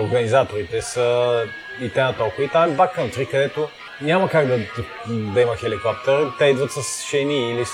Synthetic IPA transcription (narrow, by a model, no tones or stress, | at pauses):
oɾɡɐnizat̪oɾit̪ɛsɐ | it̪ɛnɐt̪ɔlˠkʊvit̪amɛbakːɐnt̪ɾikɐd̪ɛt̪o | nʲamɐkaɡd̪ɐt̪ | d̪ɐimɐxɛlikɔp̚t̪ɛɾt̪ɛid̪vət̪səsʃɛniːli